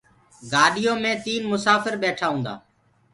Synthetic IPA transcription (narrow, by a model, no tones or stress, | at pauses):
ɡaːɗɪjõːmẽːt̪iːnmʊsaːfɪɾɓeːʈʰaːɦũːnd̪a̰ː